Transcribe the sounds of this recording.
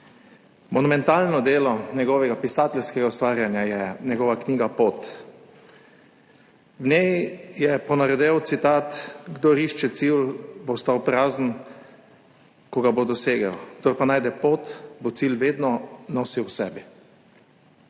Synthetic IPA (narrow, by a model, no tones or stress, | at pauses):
mɔnumɛnt̪aːlnɔd̪eːlɔnɛɡɔʋɛɡapisaːt̪ɛlskɛɡaust̪ʋaːɾjanjajɛnɛɡɔʋakniːɡapot̪ | wnɛjjɛpɔnaɾɛd̪ɛwt̪sit̪aːt̪ɡd̪oɾiʃt͡ʃɛt̪silbost̪awpɾaːzn̩ | kɔɡabod̪ɔseːɡawɡd̪oɾpanaːjd̪ɛpot̪bot̪silʋeːd̪nɔnɔsiwsɛːbi